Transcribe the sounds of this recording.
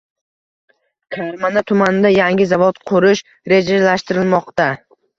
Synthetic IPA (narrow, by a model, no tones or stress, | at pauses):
kʲʰaɾmanat̪ʰʊmanɪd̪ajaŋɡʲɪzavɒt̪qʰʊɾɪʃ | ɾe̞d͡ʒalaʃt̪ɪɾɪlmɒqt̪a